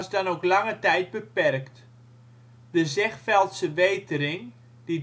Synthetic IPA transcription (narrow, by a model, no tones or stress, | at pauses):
sdɔnowklaŋətɛjd̚bəpɛrkt | dəzɛχfɛlˠtsəʋeːtəɾɪŋ | d̥i